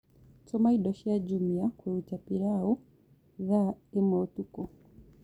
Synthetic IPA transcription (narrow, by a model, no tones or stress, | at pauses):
tɔmaiɗɔʃɛad͡ʒumiakwɛutapiɾaɔ | ðaɛmaɔtukɔ